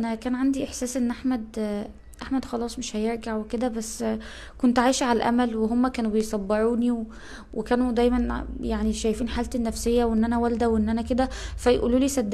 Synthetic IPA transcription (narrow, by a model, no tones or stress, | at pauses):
ʔænækæːnʕand̪iʔeħsæːsʔenːʔaħmæd̪ | ʔaħmæd̪xɑlɑːsˤmeʃhæjeɾɡaʕweked̪æbæsː | kont̪ʕaːjʃuʕalælʔæ̰mælweɦomːækæːnubejsˤɑbːeɾuːniw | wekæːnud̪æjmænjaʕniʃæjfiːnħaːlt̪enːæfsejːæwʔenːʔænæwæld̪æwʔenːʔænæked̪æfæjʔṵːluːliːsæd̪ː